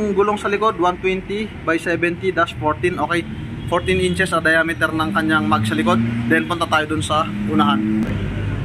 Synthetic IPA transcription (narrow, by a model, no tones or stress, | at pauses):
ŋɡulɔŋsalikɔt̪̚want̪wint̪ibaisɛbɛnt̪idaspɔrt̪inokɛj | fɔrt̪iniɲt͡ʃɛsadajamit̪ɛrnaŋkaɲd͡ʒaŋmaɡisalikɔt̪̚dɛnpɔnt̪at̪aidunsahunaɦan